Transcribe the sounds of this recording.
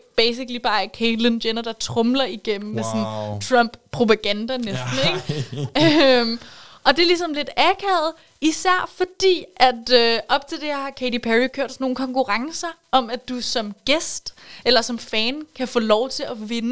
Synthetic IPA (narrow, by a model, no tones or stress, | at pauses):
b̥eɪsiɡ̥lib̥ɑ̈ːæɐkʰelindenɐd̥ɑ̈t͡sʰʁɔ̽mlɐiɡ̥em̰m̩mesɔnt͡sʰʁɒmb̥ʰʁo̝pæɡ̥ænd̥ænesd̥n̩eɡ̥ømʔɒ̽d̥e̝lisɒ̽mle̝d̥ækʰɛð̩ˠ | isæɐ̰fɒ̽d̥ḭːʔæd̥øʔɒ̽b̥̚t͡sʰe̝ld̥e̝hɑ̈kʰeɪɾipʰæʁikʰøɐ̰d̥snːoːn̩kʰɒ̽ŋkuʁɑ̈ŋsɐʔɒ̽mæd̥usɒ̽mɡ̥esd̥elɐsɒ̽mfɛːnkʰæfɔ̰̽ːlɒʊt͡sʰe̝æʋe̝nə